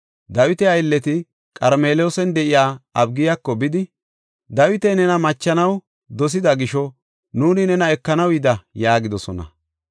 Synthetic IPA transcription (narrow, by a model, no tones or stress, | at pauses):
d̪ɐwɪt̪ɛɐjɪlːɛt̪ɪ | kʼɐɾme̞ːloːsɛnd̪ɛʔɪjaːɐbɡɪjakːɔbɪd̪ɪ | d̪ɐwɪt̪ɛnɛnɐmɐt͡ʃːɐnɐw | d̪ɔs̬ɪd̪ɐɡɪʃɔ | nuːnɪnɛnɐɛkːɐnɐwɪd̪ɐjaːɡɪd̪ɔsɔnɐ̰